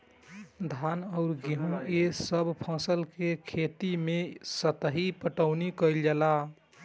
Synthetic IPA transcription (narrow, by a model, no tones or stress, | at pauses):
d̪ʱanəʊɾɡiɦõesəbʱpʰə̃səlkekʰet̪imesət̪ɦipəʈəʊnikəɪld͡ʒala